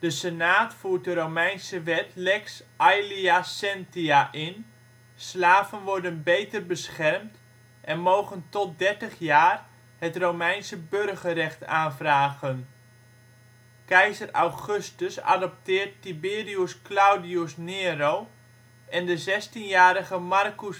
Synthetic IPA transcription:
d̥əsənaːtfuːt̚dərowmɛjnsəʋɛtlɛksʔajliasɛntiaʔɪn | slaːvənʋɔɹdənbejtərbəsχɛrmt | ʔɛnmowχəntɔt̚dɛɹtəχjaːr | hətromɛjnsəbørɣərɛχtaːnvraːɣən | kɛjzəra̰wχɵstəsa̰dɔp̚tɪːrtːibɪːriusklawdiusnɪːɾow | ʔɛndəzɛstinjaːɾəɣəmarkus

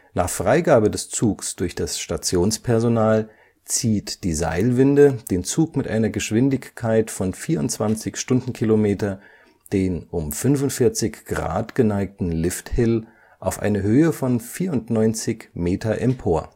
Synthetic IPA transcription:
naːχfʁ̥aɪɡaːbədɛst͡suːksd̥ʊɐçd̥asʃtat͡sjoːnspʰɛɐzonaːl | t͡siːtd̥iːza̰ɪlvɪndəd̥eːnt͡suːkmɪtʔa̰ɪnɐɡəʃv̥ɪndɪçkʰːaɪtfɔnfiːɐʊntt͡sv̥ant͡sɪçʃtʊndn̩kʰilomeːtɐ | d̥eːnʔʊmfʏnvʊntfɪɐt͡sɪçɡ̥ʁa̰ːtɡ̥ənaɪk̚tn̩lɪfthɪl | ʔaʊfʔa̰ɪnəɦøːəfɔnfiːɐʊntnɔʏnt͡sɪçmeːtʰɐʔɛmpʰoːɐ

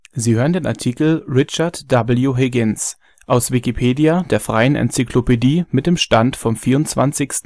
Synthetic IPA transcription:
ziːhøːʁəndeːnʔa̰ɐtʰiːkl̩ʁɪt͡ʃɐtd̥abl̩juɦeːɡɪns | ʔaʊsv̥ikipʰeːdijadeːɐfʁ̥aɪənʔɛ̰nt͡sikʰlopediːmɪt̚d̥eːmʃtantfɔmfiːɐʁʊnt͡sv̥a̰nt͡sɪçstn̩

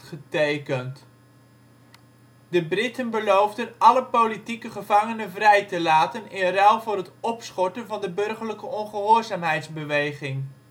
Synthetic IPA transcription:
χətejkənt | dəbrɪtənbəlowvdənɑləpowlitikəχəvɑŋənənvrɛjtəlaːtənɪrɛlˠvʊːrɦətɔpsχɔɹtənvɑndəbɵrχərləkəɔnχəɦʊːrzaːmɦɛjtzbəʋejχɪŋ

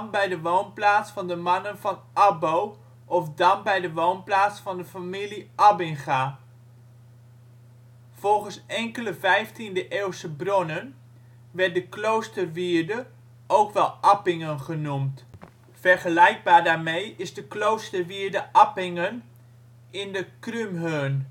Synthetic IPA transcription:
nbɛjdəʋownplaːtsfɑndəmɑnənvɑn | ɑbow | ʔɔfdɑnbɛjdəʋownplaːtsfɑndəfamiliʔɑbɪŋχa | v̥ɔlˠχənsɛŋkələvɛjftindəʔeːwsəbrɔnən | ʋɛɹt̚dəklowstərʋiɹdə | ʔowkʋɛlˠʔɑpɪŋənχənumt | fɛrχəlɛjɡ̚baːɹdaːɹmejɪzdəklowstərʋiːɹdəʔɑpɪŋən | ɪndəkrymɦøn

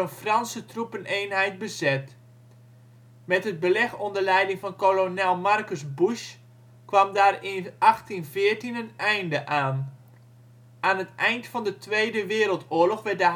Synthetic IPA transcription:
ənfrɑnsətrupəneːnɦɛjt̚bəzɛt | mɛtəd̚bəlɛxondərlɛjdɪŋfɔnkolonɛlˠmarkəsbuʃ | kʋɑmdaːrɪnʔɑxtinvɪərtinənɛjndəʔaːn | aːnətʔɛjntfɔndətʰʋeːdəʋɪːɾəlˠtʊəlɔxʋɛrt̚də

